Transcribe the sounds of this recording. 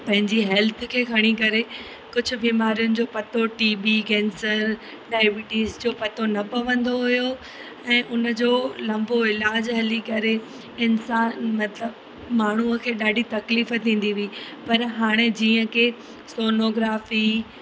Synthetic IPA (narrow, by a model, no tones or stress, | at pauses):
pɐ̃ɦɪ̃ɲd͡ʑiɦɛlt̪ʰkʰeːkʰɐɽ̃ikɐɾe | kʊd͡ʑʱʊ̆biːmaːɾijʊnɪ̆d͡ʑoːpɐt̪oʈiːbikɛːnsəɾ | ɗaːɪʋɪʈiːzd͡ʑoːpɐt̪onɐpɐʋə̃nd̪oɦʊjo | ɛ̃ːʔʊnə̆d͡ʑoːlɐ̃mboɪlaːd͡ʑɦɐlikɐɾe | ɪnsaːnmɐt̪ləb | maːɳ̤uəkʰeːɗaːɖʱit̪ɐkliːfət̪ʰĩːn̆d̪iʋiipɐɾɦaːɽ̃ed͡ʑiːə̃kʰe | soːnoːɡɾaːfiː